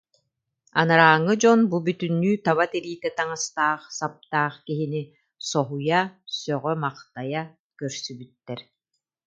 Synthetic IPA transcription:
a̰naɾaːŋːɯd͡ʑɔnbubyt̪ynːyːt̪aβat̪ɛɾiːt̪ɛt̪aŋast̪aːχsap̚t̪aːχkiɦini | sɔɦujasœʁœmaqt̪aja | kœɾsybyt̪ːɛɾ

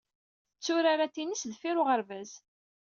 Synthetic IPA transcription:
θət͡sːʊɾaɾat̪ːinisðfiɾʊʁəɾvæz

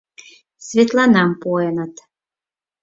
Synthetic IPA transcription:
sʲvʲet̪lˠɑnɑmpuɔjɛnat̪

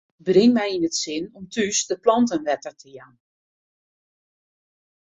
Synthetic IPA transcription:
brɪŋmɛjinətsɪnɔmtysdəplɔntənʋɛtərtʰəjan

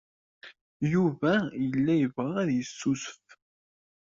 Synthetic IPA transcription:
juvæjəlːæjəvʁææðjəsːusf

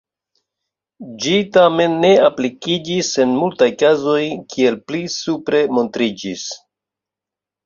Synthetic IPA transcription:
d͡ʒitame̞nːe̞aplikid͡ʒise̞nmultajkazo̞jkʰie̞lplisupɾe̞mo̞ntɾid͡ʒis

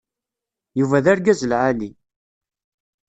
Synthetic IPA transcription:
juvæðæɾɡæzəlʕali

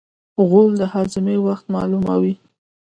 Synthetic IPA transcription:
ɣold̪əhazɪmewaxt̪mɑ̰luma̰wi

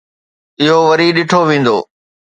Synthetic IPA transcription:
ɪɦoʋɐɾiɗɪʈʰoʋẽːn̆d̪oː

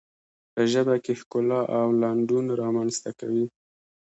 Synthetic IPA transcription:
pəʒəbakehkʊlɑʔawlɑɳɖunɾɑmanst̪aka̰wi

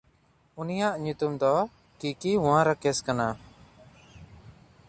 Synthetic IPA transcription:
unijaʔɲut̪umd̪ɔ | kikiwãɾakɛskana

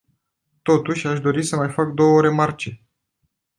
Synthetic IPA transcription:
t̪o̞t̪uʃʲaʃd̪o̞ɾisəmajfak̚d̪o̞wəɾe̞mart͡ʃe̞

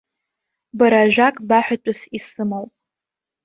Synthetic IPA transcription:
baɾaʒʷᶣakʼbaħʷᶣat͡ʃʷʼʊsisɨmowpʼ

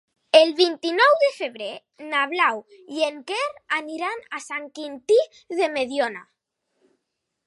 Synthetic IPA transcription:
elβint̪inɔwðefeβɾe | naβlaw | jeŋkeɾaniɾanasaŋkint̪i | ðemeðjona

